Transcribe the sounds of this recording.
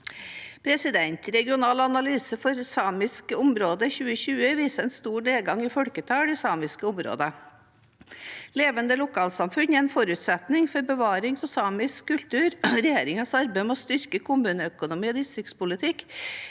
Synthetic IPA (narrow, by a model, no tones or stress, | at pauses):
pʰɾɛsɪd̪ɛnt̪ɾɛɡɪʊnɑːlɑnɑlyːsəfɔɾsɑːmɪskəʊmɾoːd̪əçʉːəɕʉːəʋiːsəɛnst̪uːɳeːɡɑŋɪfɔlkət̪ʰɑːɖɛsɑːmɪskəʊmɾo̰ːd̪ə | leːʋənd̪əlʊkʰɑːlsɑmfʉnɛɛnfɔɾʉːt̪sɛt̪nɪŋfɔɾbəʋɑːɾɪŋfʰɔsɑːmɪskkːʉlt̪ʉːɾɾɛjeːɾɪŋɑsɑɾbæɪmɛɔst̪ʏɾkəkʰʊmʉːnəœkʊnʊmiːɔd̪ɪst̪ɾɪkt̪spʊlɪt̪ʰɪk